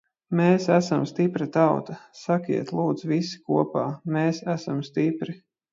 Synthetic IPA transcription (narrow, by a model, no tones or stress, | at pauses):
meːsæsamst̪ipɾat̪awt̪asakḭɛt̪lˠuːd̪z̥visi̥kuɔpaːmeːsæsamst̪ipɾi